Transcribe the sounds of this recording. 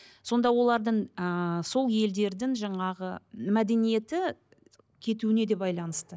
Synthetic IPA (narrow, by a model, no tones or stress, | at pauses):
so̞nd̪ɑwo̞lˠɑɾd̪əɴəso̞lˠje̞ld̪e̞ɾd̪ɪŋʒɑɴɑʁəmæd̪e̞nije̞t̪ɪ | kʲʰe̞t̪uɪne̞d̪e̞bɑjlˠɑnəst̪ə